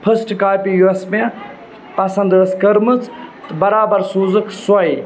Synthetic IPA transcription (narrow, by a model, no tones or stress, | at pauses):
pʰɐsʈkaːpijuesmẽ | pɐsɐnd̪əskɐɾmɨt͡st̪bɐɾaːbɐɾsuːzɨkʰsɐj